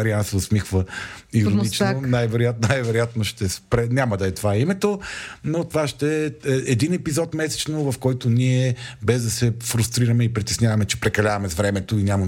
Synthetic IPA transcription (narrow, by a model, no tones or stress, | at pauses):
ɐɾiansɛosmixvəiɾonit͡ʃnonajvɛɾʊjat̪najvɛɾʊjat̪noʃt̪ɛspɾɛnʲamɐd̪ɐɛt̪ovaimɛt̪onot̪ovaʃt̪ɛɛɛd̪inɛpizɔt̪mɛsɛ̥t͡ʃnovɐfkɔjt̪oniɛbɛzd̪ɐsɛfɾust̪ɾiɾɐmɛipɾit̪ɛsnʲjavɐmɛt͡ʃɛ̥pɾɛkɐlʲavɐmɛzvɾɛmɛt̪oinʲamɐ